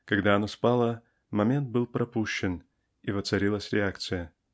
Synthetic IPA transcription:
kɐɡd̪aɐnospalˠə | mɐmʲe̞nt̪̚bɨlˠpɾɐpuɕːɪn | ivət̪sɐɾʲilˠəsʲɾʲɪakt̪sɨjə

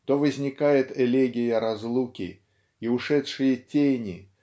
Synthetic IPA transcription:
t̪ovəzʲnʲɪkajɪt̪ɛlʲeɡʲɪjəɾɐzlˠukʲɪ̰ | iʊʂɛt̪ʂɨjətʲenʲɪ

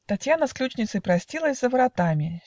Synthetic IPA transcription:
t̪ɐtʲjanəsklʲut͡ɕnʲɪt̪sɨpɾɐsʲtʲilˠəsʲzəvəɾɐt̪amʲɪ

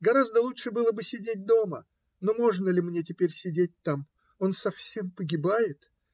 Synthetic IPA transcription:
ɡɐɾazd̪əlˠuʂɨbɨlˠəbɨsʲɪdʲet̚ʲd̪o̞mə | no̞mo̞ʐnəlʲɪmnʲetʲɪpʲeɾʲsʲɪdʲet̚ʲt̪am | o̞nsɐfsʲe̞mpəɡʲɪbajɪt̪

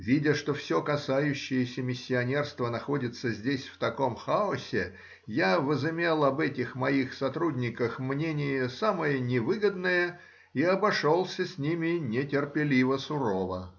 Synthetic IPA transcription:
vʲidʲəʂt̪o̞fsʲo̞kɐsajʉɕːɪjəsʲəmʲɪsʲːɪɐnʲe̞rst̪vənɐxo̞dʲɪt̪səzʲdʲesʲft̪ɐko̞mxaʊsʲɪ | javəzɪmʲelˠɐbɛtʲɪxmɐixsɐt̪ɾudʲnʲɪkəxmnʲenʲɪjəsaməjənʲɪvɨɡəd̪nəjə | iɐbɐʂo̞lˠsʲəsʲnʲimʲɪnʲɪtʲɪrpʲɪlʲivəsʊɾovə

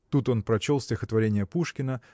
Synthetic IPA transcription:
t̪ut̪o̞npɾɐt͡ɕo̞lˠsʲtʲɪxət̪vɐɾʲenʲɪjəpuʂkʲɪnə

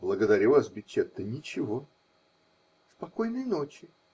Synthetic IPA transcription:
blˠəɡəd̪ɐɾʲuvasbʲɪt͡ɕːet̪ːənʲɪt͡ɕɪvo̞ | spɐko̞jnəjno̞t͡ɕɪ

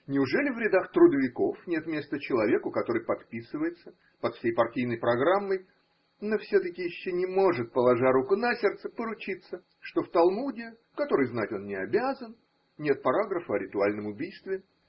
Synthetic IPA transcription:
nʲɪʊʐɛlʲɪvɾʲɪd̪axt̪ɾʊd̪əvʲɪko̞fnʲe̞t̪mʲe̞st̪ət͡ɕɪlˠɐvʲe̞kʊkɐt̪o̞ɾɨjpɐt̪pʲisɨvəjɪt̪sə | pɐt̪fsʲejpɐrtʲijnəjpɾɐɡɾamːəj | nofsʲot̪əkʲɪjɪɕːonʲɪmo̞ʐɨt̪̚pəlˠɐʐaɾukʊnɐsʲert̪səpəɾʊt͡ɕit̪sə | ʂt̪o̞ft̪ɐlˠmudʲɪ | kɐt̪o̞ɾɨjznatʲo̞nnʲɪɐbʲazən | nʲe̞t̪̚pɐɾaɡɾəfəɐɾʲɪt̪ʊalʲnəmʊbʲijst̪vʲɪ

